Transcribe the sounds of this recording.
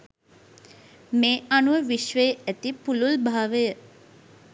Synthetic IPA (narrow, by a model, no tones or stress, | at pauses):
meːanuʋəʋiʃʋeæt̪ipululbʱaːʋəjə